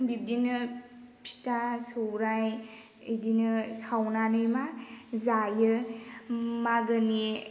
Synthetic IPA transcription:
bip̚dinɯ | pʰi̥tasɯwɾaj | idinɯsawnanɯjmazajɯ | maɡɯni

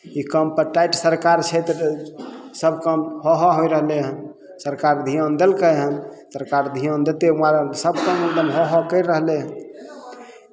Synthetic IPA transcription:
ikəmpəɾʈajʈsəɾkaɾt͡ʃʰet̪ɾ | səbʱkəmhɔɦaɦojɾəɦleɦən | səɾkaɾd̪ʱijond̪elkəɦənsəɾkaɾd̪ʱijond̪et̪euaɾsəb̚kəmukd̪əmɦoɦɔkəɪɾːəɦleɦən

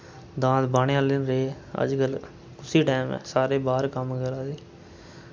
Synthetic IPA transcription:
d̪ãːsbaːɽejãːlɪnɾeː | ə̰d͡ʒkəl | kʊsiːʈaːmɛ̰ːsaːɾeːbaːɾkəmkəɾaːdeː

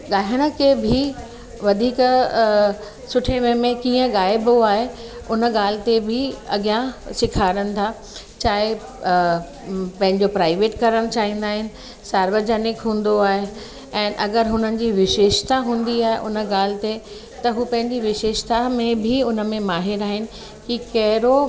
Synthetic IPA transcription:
ɠaːɦɪɽ̃ə̆kʰebʱɪ | ʋɐd̪ʱiːk | sʊʈʰeʋemẽkĩːə̃ɠaːɪboaːɦe | ʊnə̆ɠaːl̤ɪ̆t̪ebʱɪɐɡijãsɪkʰaːɽənɪ̆t̪ʰaː | t͡ɕaːɦe | pɐ̃ɦɪ̃ɲd͡ʑopɾaːɪʋeːʈkɐɾəɽ̃t͡ɕaːɦĩːn̆d̪aːɦɪnɪ̆ | saːɾʋəd͡ʑənɪkɦũːn̆d̪oaːɦe | ɛ̃ːʔɐɡəɾɦʊn̤ənɪ̆d͡ʑiːʋɪʃeːʃt̪aɦũːn̆d̪iaːɦḛʔʊnə̆ɠaːl̤ɪ̆t̪e | t̪ɐɦuːpɐ̃ɦɪ̃ɲd͡ʑiʋɪʃeːʃt̪amẽbʱiʊnə̆mẽmaːɦɪɾaːɦɪnɪ̆ | kikɐɦɪɾo

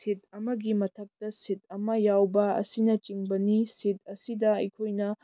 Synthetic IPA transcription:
sit̚ɐmɐɡimɐtʰɐk̚tɐsit̚ɐmɐjawbɐɐ̰sinɐt͡ʃiŋbɐnisit̚ɐsidɐɐjkʰojnɐ

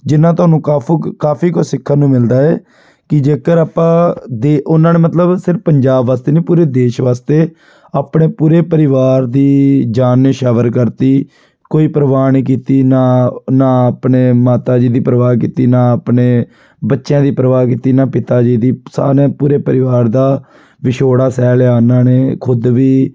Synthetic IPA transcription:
d͡ʒɪnãːt̪ʊɦaːnũːkaːkaːpʰiːkoːsɪkʰːənũːmɪld̪aːɛː | kɪd͡ʒeːkəɾaːpːãːd̪eːʊnãːneːmət̪ləbsɪɾfpəɲd͡ʒaːbʋaːst̪eːneːpuːɾeːd̪eːʃʋaːst̪eː | aːpɳeːpuːɾeːpəɾɪʋaːɾd̪iːd͡ʒaːnːeʃaːʋəɾkəɾt̪iː | koːiːpəɾəʋaːniːkiːt̪iːnaːnaːpneːmaːt̪aːd͡ʒiːd̪iːpəɾəʋaːk̬iːt̪iːnãːpneː | bətːʃjãːd̪iːpəɾəʋaːkiːt̪iːnaːpɪt̪aːd͡ʒiːd̪iːsa̰ːɾẽːpuːɾeːpəɾɪʋaːɾd̪aː | ʋɪʃoːɽaːsɛːlaːnãːneːkʰʊd̪ʋiː

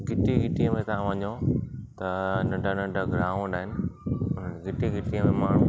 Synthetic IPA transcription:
ɡɪʈiɡɪʈiə̃mẽt̪ɐãʋɐɲõt̪ɐnɐ̃ɖʱanɐ̃ɖʱaɡɾaːũɗaːɦɪnɪ̆ʊnəɡɪʈiɡɪʈiə̃mẽmaːɳ̤ũː

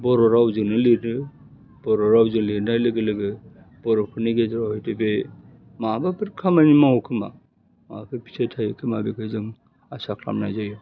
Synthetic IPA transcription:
bɔɾɔɾawzɯnɯliɾnɯ | bɔɾɔɾawzɯŋliɾnajlɯɡɯlɯɡɯ | b̥ɔɾɔpʰɯɾniɡedɾahɔjtebe | mabapʰɯɾkʰamanimaɦɔkʰɯma̰ | ma̰pʰɯpʰi̥setʰajɯkʰɯmabekʰɯzɯŋ | asakʰla̰mnajzajɯ

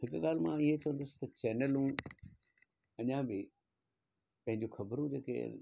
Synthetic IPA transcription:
ɦɪkɠaːl̤mãɪɦet͡ɕɐʋə̃nd̪ʊsɪ̥t̪ɐt͡ɕɛːnəlũ | ɐɲãbɪ | pɐ̃ɦɪ̃ɲ̆d͡ʑoxɐbəɾũd͡ʑeːkḛ

